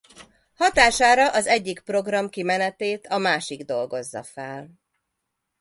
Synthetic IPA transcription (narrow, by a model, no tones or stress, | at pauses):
hɒt̪aːʃaːɾɒʔɒzɛɟːikpro̞ɡrɒmkimɛnɛt̪eːt̪ɒmaːʃiɡd̪o̞lɡo̞zːɒ̰fɛl